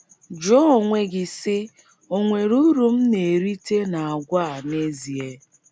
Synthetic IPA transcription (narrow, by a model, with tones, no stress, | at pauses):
d͡ʒɔ˦˨ŋʷe˨ɡɪ˨sɪ˦ | o˨ŋʷe˨ɾu˦ɾu˨m̩˦ne˨ɾi˦te˦na˨a˨ɡʷa˦˨ne˦zi˨e˦